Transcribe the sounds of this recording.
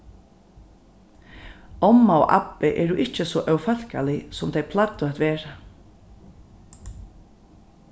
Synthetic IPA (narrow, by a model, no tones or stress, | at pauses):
ɔmːaɔ̰ʔa̰pɪʔɛ̰ːɾuʔɪht͡ʃəsɔʔœwfal̥ka̰lɪsɔmt̪ʰɛjpʰlat̪ːʊat̪ʋeːɹa